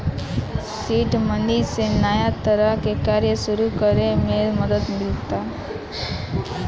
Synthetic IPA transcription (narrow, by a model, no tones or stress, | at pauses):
siːʈmənisenaːjat̪əɾəɦkekaːɾjəʃʊɾukəɾemẽməd̪əd̪mɪlt̪aː